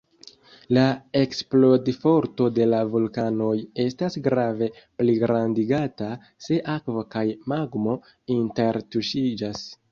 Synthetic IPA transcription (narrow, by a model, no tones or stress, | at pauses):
lae̞ksplo̞difo̞ɾto̞de̞lavulkano̞je̞stasɡɾave̞ | pliɡɾandiɡata | se̞ʔakvokajmaɡmo̞ | inte̞ɾtuʃid͡ʒas